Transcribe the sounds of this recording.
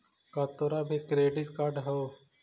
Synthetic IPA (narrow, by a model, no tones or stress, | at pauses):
kat̪oːɾaːbʱikɾeːɖɪʈkaɾɖɦoː